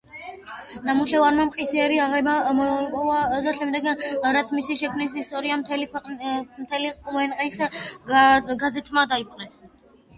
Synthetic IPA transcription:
namuɬɛvaɾmamqʼisiɛɾiaʁɛbamɔpʼɔvad̪aʃɛmd̪ɛɡɾat̪sʰmisiʃɛkʰmnis̬ist̪ʼɔɾiamt̪ʰɛlkʰɛmt̪ʰɛliqʼuvɛnqʼis | ɡazɛt̪ʰmad̪aipʼqʼnɛs

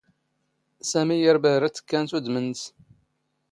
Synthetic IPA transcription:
sæmijəɾbæɾæt͡sːə̥kːænθud̪məns

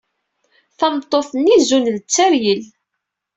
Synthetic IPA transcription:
θɑnt̪ˤːoθənːizunlət͡sːæɾjəl

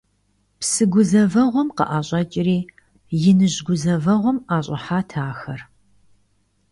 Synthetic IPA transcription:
psɨɡʷʊzɐvɐʁʷɔmqɐ̰ʔaːɕʼɐt͡ʃʼɪriː | jɪnɨʑɡʷʊzɐvɐʁʷɔmaːɕʼɪħaːtʰaːxɐr

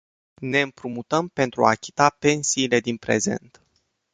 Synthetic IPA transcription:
ne̞ɨmpɾumut̪əmpe̞nt̪ɾua̰kʲi̥t̪ape̞nsiːle̞d̪inpɾe̞̰ze̞̰nt̪

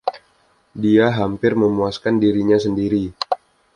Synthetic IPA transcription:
diaɦampɪrməmuaskandiɾiɲasəndiɾi

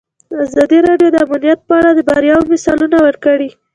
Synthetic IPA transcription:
azɑd̪iɾɑɖjod̪əamanijat̪̚pəaɽad̪əbaɾjɑwmɪsɑlunawəɾkəɽi

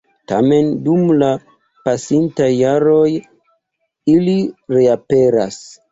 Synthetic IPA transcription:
ta̰me̞ndumla | pasintajːaɾo̞j | iliɾeape̞ɾa̰s

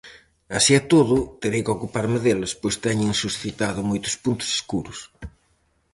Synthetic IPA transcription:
asiɛt̪oðʊt̪eɾejkokupaɾmɪðelʊspojst̪ɛɲɪŋsusθit̪aðʊmojt̪ʊ̥spunt̪ʊ̥se̥skuɾʊs

